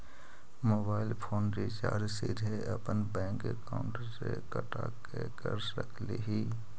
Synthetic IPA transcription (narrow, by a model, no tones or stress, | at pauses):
moːbaːɪlpʰoːnɾit͡ʃaːɾd͡ʒsɪd̪ʱeəpənbɛ̃ːŋkekaʊ̃ɳʈəɾsekəʈʰa̰kekəɾsɾəkʰleɦiː